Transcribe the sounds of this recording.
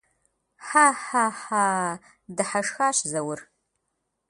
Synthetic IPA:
ħaːħaːħaː | dɨħaʂxaːɕzɐwʊr

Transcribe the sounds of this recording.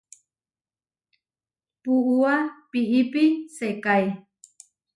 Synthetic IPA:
puʔuapiʔipisekaj

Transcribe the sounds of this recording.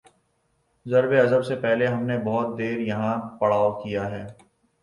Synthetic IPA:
zɐɾbeɐzəbsepɛɦleɦɐmnebɔːʊt̪̚d̪eːɾjɐɦãpɐɽaːokijaɦɛː

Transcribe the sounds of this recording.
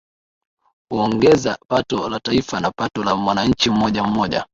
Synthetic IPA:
uɔŋɡɛzapatɔlataifanapatɔlamwanaɲ̩t͡ʃim̩mɔʄam̩mɔʄa̰

